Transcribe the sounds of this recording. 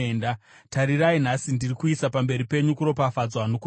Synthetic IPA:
ndataɾirain̤asindirikuisapambe̞ɾipe̞ɲukuɾo̞pafad͡zwano̞ku

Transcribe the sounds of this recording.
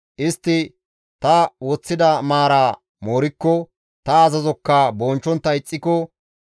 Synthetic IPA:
ʔɪst̪ːɪ | t̪ɐwɔt͡sːɪd̪ɐmaːɾaː | moːɾɪkːɔ | t̪ɐːzɐzɔkːɐbɔːnt͡ʃːɔnt̪ːɐɪt͡sʼːɪkɔ

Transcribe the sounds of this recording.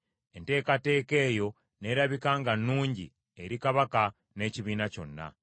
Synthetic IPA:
e̞nte̞ːkate̞ːke̞ːjo̞ | ne̞ːɾaβikaːŋɡanːuːɲɟḭ | e̞ɾikaβaka | ne̞ciβiːnaco̞̰nːa̰

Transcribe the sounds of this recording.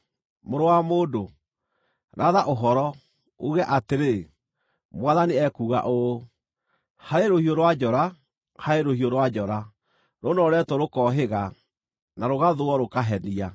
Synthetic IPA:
moɾowamoːdo | ɾʔaðaʔoɦɔɾɔ | oɣɛʔateɾe | mwaðaniɛkuːɣa̰ʔo | haɾeɾohioɾwad͡ʒɔɾa | haɾeɾohioɾwad͡ʑɔɾa | ɾonɔɾɛtwɔɾokɔːɦeɣa | naɾoɣaðoɔɾokaɦɛnia

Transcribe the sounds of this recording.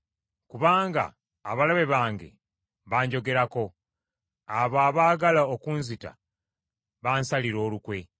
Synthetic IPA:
kuβaːŋɡa̰ː | βalaβe̞βaːŋɡe̞̰ | βaːɲɟo̞ɡe̞ɾako̞ | aβaːβaːɡalaokuːnzita̰ | βaːnsaliɾo̞ːlukwe̞

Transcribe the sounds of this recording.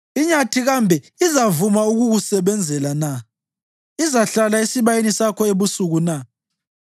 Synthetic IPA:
iɲatʰiɣambʱɛ | izavumauɣuɣusɛβɛnd͡zʱɛlana | izaɬalaisiβajenisakʰɔeβusuɣuna

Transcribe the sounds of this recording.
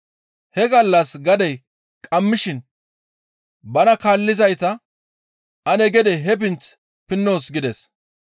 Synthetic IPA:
hɛɡɐlːɐsɡɐd̪ɛj | kʼɐmːɪʃɪn | bɐnɐkaːlːɪzɐjt̪ɐ | ʔɐnɛɡɛd̪ɛɦɛp̬ɪnt͡s | pɪnːo̞ːsɡɪd̪ɛs

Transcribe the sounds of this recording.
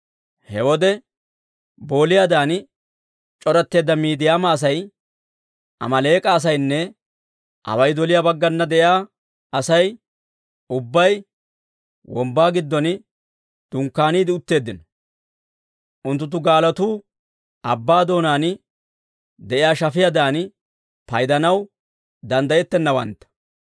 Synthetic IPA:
hɛwɔd̪ɛ | bo̞ːlɪjaːd̪aːn | t͡ʃʼɔɾɐt̪ːe̞ːd̪ːɐmiːd̪ɪjaːmaːs̬ɐj | ʔɐ̰mɐle̞ːkʼaːs̬ɐjnːɛ | ʔɐ̰wɐjd̪ɔlɪjaːbɐɡːɐnːɐd̪ɛʔɪjaː | ɐsɐj | ʊbːɐj | wɔmbːaːɡɪd̪ːɔn | d̪̥ʊŋkːaːniːd̪ɪʊt̪ːe̞ːd̪ːɪnɔ | ʔʊnt̪ːʊt̪̬ːʊɡaːlɐt̪uː | ʔɐbːaːd̪o̞ːnaːn | d̪ɛʔɪjaːʃɐfɪjad̪aːn | pɐjd̪ɐnɐw | d̪ɐnd̪ɐjɛt̪ːɛnːɐwɐ̰nt̪ːɐ̥

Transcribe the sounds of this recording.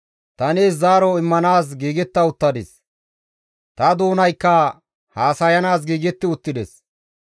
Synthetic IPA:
t̪ɐneːszaːɾɔɪmːɐnaːs̬ɡiːɡɛt̪ːɐʊt̪ːɐd̪ɪs | t̪ɐd̪oːnɐjkːɐ | haːsɐjɐnaːs̬ɡiːɡɛt̪ːɪʊt̪ːɪd̪ɛs

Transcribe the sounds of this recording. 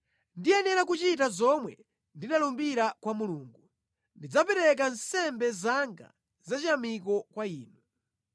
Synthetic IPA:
ndiɛnɛɾakut͡ʃitazɔmwɛ | ndinalumbiɾakwamuluːŋɡu | ndid͡zapɛɾɛk̬ansɛmbɛzaŋɡa̰ | zat͡ʃiamik̬ɔkwaiːnu

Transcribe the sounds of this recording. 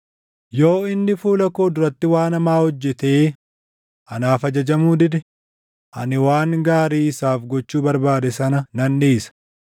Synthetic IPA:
jo̞ːɪnːɪfuːlɐkoːd̪ʊɾɐt̪ːɪwaːnɐmaːhɔd͡ʒːɛt̪eː | ʔɐnaːfɐd͡ʒɐd͡ʒɐmuːd̪ɪd̪ɛ | ʔɐ̰nɪwaːŋɡaːɾiːsaːfɡɔt͡ʃːuːbɐɾbaːd̪ɛsɐnɐnɐnːeːsɐ̥

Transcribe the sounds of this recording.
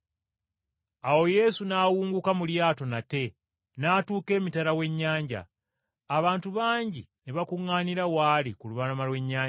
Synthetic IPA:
awo̞je̞sunawuːŋɡukamuljaːto̞nate̞ | naːtuːke̞ːmitaɾawe̞ɲːaːɲɟa̰ː | βaːntuβaːɲɟineβakuŋːaːniɾawaːlikuluβanamalwe̞ɲːaːɲ

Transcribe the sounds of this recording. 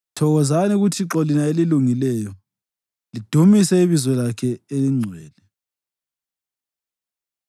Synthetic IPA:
tʰɔɣɔzaniɣutʰiǁɔlinaeliluŋilɛjɔ | lid̥ʱumisɛiβizwɛlakʰɛeliŋ͡ǀʱwɛːlɛ

